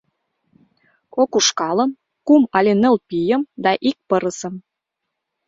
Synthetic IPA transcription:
kokuʃkɑlə̆m | kumɑlʲenə̆lpijə̆md̪ɑʔik̚pɤɾəsə̆m

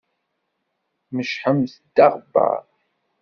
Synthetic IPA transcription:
məʃħəmsd̪aʁba̰ʕ

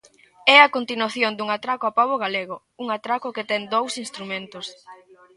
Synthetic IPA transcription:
ɛakont̪inwaθjond̪uŋat̪ɾakoapaβoɣaleɣ̞o | uŋat̪ɾakʊket̪ɛŋd̪owsinst̪ɾumẽnt̪os

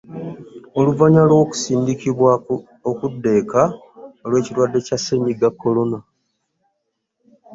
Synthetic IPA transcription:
o̞luvaɲalwo̞ku̥siːndikiβwa | okudːe̞ːka | o̞lwe̞ːciɾwadːe̞casːeɲiɡakːo̞lo̞na

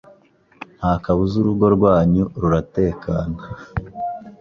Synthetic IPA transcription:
n̥hakaβuzuɾuɡo̞ɾɡwaːɲuɾuɾate̞ːkaːnḁ

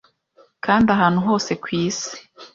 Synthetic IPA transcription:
kʰaːndaɦaːn̥huɦo̞ːse̞kwiːsi̥

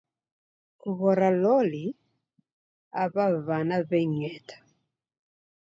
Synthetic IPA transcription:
kuβɔɾalɔli | aβaβanaβɛɲɛtʰḁ

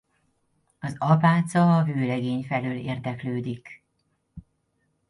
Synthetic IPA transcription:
ɒzɒpaːt̪sɒːvøːlɛɡeːɲfɛløːlḛːrd̪ɛkløːd̪ik

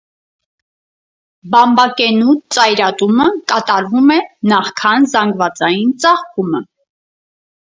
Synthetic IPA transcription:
bɑmbɑkɛnut͡sɑjɾɑt̪uməkɑt̪ɑɾvumɛnɑχkʰɑnzɑŋɡvɑt͡sɑjint͡sɑχkumə

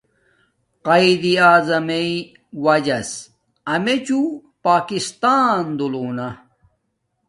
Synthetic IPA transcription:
qɐid̪iaːzɐmei | wɐd͡ʑɐs | ɐmet͡ɕupaːkist̪aːnd̪uloːnɐ

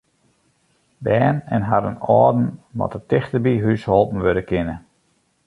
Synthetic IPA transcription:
bɛːnɛ̰nɦadənɔːdn̩ʋɔ̰tətɪxtəbiɦysholˠpn̩ʋødəkʰɪnə

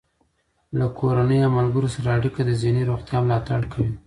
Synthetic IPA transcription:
lakʰoɾanəjamalɡəɾosaɾaːɽikad̪əziniɾoɣt̪jɑmlɑt̪aɽkʰawi

